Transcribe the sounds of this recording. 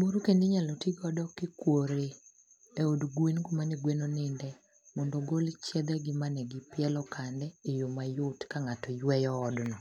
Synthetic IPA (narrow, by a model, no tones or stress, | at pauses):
moɾukendeɲalɔtiɡɔdɔkɪkwoɾe | eodɡwenkomaneɡwenonɪndɛ | mɔndɔɡolt͡ʃjɛd̪ɛɡɪmanɛɡɪpɪɛlɔkandɛejomajʊtkaŋatɔjwɛjɔːdnɔ